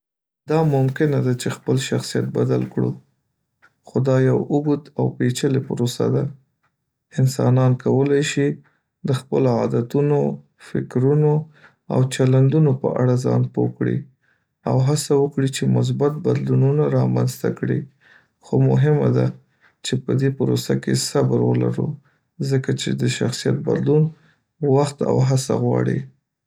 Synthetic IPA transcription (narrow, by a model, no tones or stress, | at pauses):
d̪̥ɑmʊmkɪnad̪at͡ʃexpəlʃaxsija̰t̪̚bad̪a̰lkɽṵ | xod̪ɑjawuɡut̪awpet͡ʃəlepəɾosa̰d̪a | ɪnsɑnɑnkawəlajʃi | d̪əxpəloɑd̪at̪uno | fɪkɾuno | a̰wt͡ʃaland̪unopə̰ʔaɽazɑ̰npo̰kɽḭ | awɦasawəkɽit͡ʃemʊs̬bat̪̚bad̪lununaɾɑmanzt̪akɽḭ | xomʊɦɪmad̪a | t͡ʃepəd̪epəɾosakesabəɾwə̰la̰ɾṵ | zəkat͡ʃḛd̪əʃaxsijat̪̚ba̰d̪lun | waxt̪a̰wɦasa̰ɣwɑ̰ɽḭ